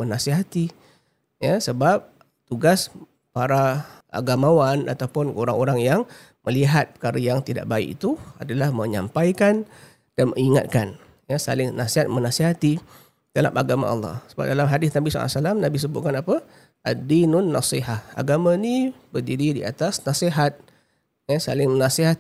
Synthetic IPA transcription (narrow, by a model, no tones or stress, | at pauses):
mənasiɦat̪i | jasəbap̚ | t̪uɡas | paɾaʔa̰ɡamawana̰t̪awpʊnoɾaŋoɾaŋjaŋ | məliɦat̪̚pə̥kaɾajaŋt̪ida̰ʔbaḭkḭt̪uadalahmə̃ɲa̰mpajkan | d̥anməŋiŋa̰t̪̚kan | jasa̰lɪŋnasiɦat̪̚mənasiɦat̪i | d̥ala̰mʔaɡama̰ɑ̰lːɑ̰hsəba̰p̚dalamɦadɪsnabisa̰la̰salamnabis̬əbʊt̪̚kanapə | adinʊnːɑ̰siɦaha̰ɡamãnibərdiɾidia̰t̪asnasiɦat̪̚ | jasalɪŋmənasiɦa